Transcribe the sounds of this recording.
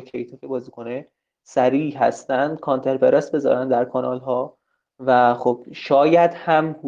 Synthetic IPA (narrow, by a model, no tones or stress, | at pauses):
cʰejt̪ʰɒːkʲebɒːziːkʰo̞ne | sæɾiːɦæ̰st̪ænd̪̥̚kʰɒnt̪ʰe̞ɾpeɾesbe̞zɒ̰ɾænd̪æɾkʰɒnɒlɦɒː | væχob̥ʃɒːjæd̪̥hæmhu